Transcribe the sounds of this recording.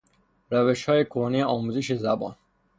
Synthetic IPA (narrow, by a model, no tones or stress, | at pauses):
ɾæveʃhɒːjekʰohnijeɒːmuzeʃezæbɒ̰ːn